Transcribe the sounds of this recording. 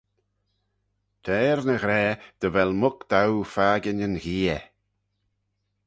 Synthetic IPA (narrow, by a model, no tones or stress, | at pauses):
t̪ʰɛːɾnəɣɾɛːd̪̥əvɛlmʊkd̪̥awfaːɡənənɣiːə